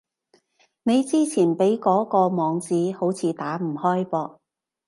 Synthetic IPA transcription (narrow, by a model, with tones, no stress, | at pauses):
ne˨˧jt͡siː˥t͡sʰiː˨˩npe˨˥jkɔː˨˥kɔː˧mɔː˨˧ŋt͡siː˨˥ho˨˥wt͡sʰiː˨˧t̪aː˨˥m̩˨˩hɔː˥jpɔː˧k̚